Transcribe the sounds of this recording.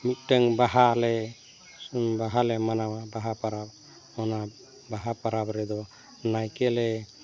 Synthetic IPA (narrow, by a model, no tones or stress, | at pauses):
mit̪̚ˀʈəŋbaɦalɛ | baɦalɛmanamabaɦapaɾab̚ | ɔna | baɦapaɾabɾɛd̪ɔ | najkɛlɛ